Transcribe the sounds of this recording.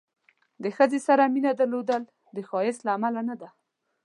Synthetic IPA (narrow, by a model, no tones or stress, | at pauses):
d̪əxəzesaɾaminad̪aɾlod̪əl | d̪əxɑjɪslaːmalanad̪a